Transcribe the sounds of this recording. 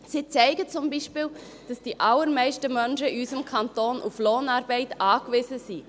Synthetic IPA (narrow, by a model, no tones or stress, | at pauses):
sit͡sɛɪɡət͡sʊmbiːʃpiːl | d̥ɑsd̥iʔɑlːəɾmɛɪʃtəmœnʃəiysəmkʰɑntoːnʔufloːnɑːɾbɛɪtɑːkʋɪzəzi